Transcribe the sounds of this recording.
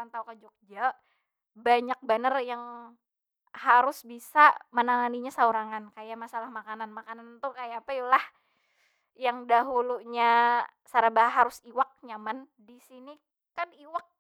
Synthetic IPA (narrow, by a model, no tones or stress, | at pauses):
ant̪aukad͡ʒɔk̚d͡ʒa | baɲak̚banərjaŋ | haɾʊsbisamənaŋaniɲasauɾaŋankajamasalahmakananmakanant̪ʊkajaːpaj̪ulah | jaŋdaɦuluɲa | saɾabaɦɦaɾʊsiwak̚ɲaman | disini | kaniwak̚